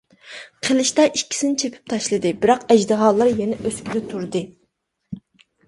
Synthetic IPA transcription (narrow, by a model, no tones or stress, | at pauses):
qʰəlˠɨʃt̪ɑʔikʲʰːi̥sɪnɪt͡ʃʰepʰy̥p̚t̪ʰɑʃlˠɨd̪ɨbɪɾɑqɛd͡ʒd̪ɨɦɑːlˠːɑɾjɛnɛʔøskʲyd̪ɛt̪ʰuɾd̪ɨ